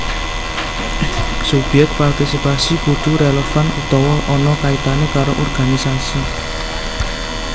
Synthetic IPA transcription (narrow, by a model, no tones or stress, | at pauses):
subɛk̚t̪̚part̪isipasib̥ud̪̥ṳɾelɔfanut̪ɔwɔkʔɔnɔkaitk̪anekaɾoʔɔrɡ̥a̤nisasi